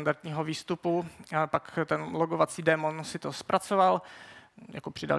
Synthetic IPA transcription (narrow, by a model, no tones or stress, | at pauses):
ndaɾt̪ɲiːɦoviːst̪upupakt̪ɛnloɡovat͡siːdɛmonsɪt̪ospɾʔat͡soval | ja̰kopr̝̥ɪda̰l